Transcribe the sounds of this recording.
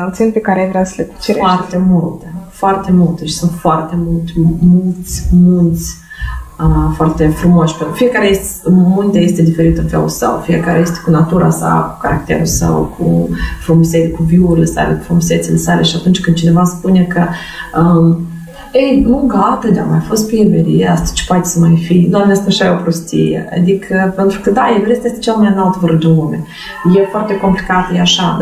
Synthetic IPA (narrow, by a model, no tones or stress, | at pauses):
at̪sinpekaɾeajvɾeasəlet͡ʃeɾeart̪e̞mult̪efoart̪e̞mult̪eʃi̥sunt̪foart̪e̞mult̪mult̪sʲmult̪sʲ | əfoart̪e̞fɾumoʃpenɾfijekaɾejest̪munt̪ejest̪ed̪ife̞ɾit̪ɨnfḛṵlsə̰wfije̞kaɾeje̞st̪ekunat̪uɾʔa̰sa̰ku̥kaɾak̚t̪e̞̰ɾulsə̰wkʰṵfɾumusekuviuuɾilesa̰lḛku̥fɾumuset̪silesale̞ʃiat̪unt͡ʃʲkɨnd̪t͡ʃine̞vaspune̞kə | ə | ejnuɡat̪əd̪ea̰majafo̞st̪̚pibeɾḭeast̪ḁt͡ʃe̥poat̪esəmajfid̪amnast̪aʃajeopɾost̪ḭjḛa̰d̪ikʰəpent̪ɾukəd̪ajevɾest̪jest̪ḁt͡ʃelmajnalt̪vəɾd̪inlume | jefoart̪e̞ko̞mplikat̪əjeaʃa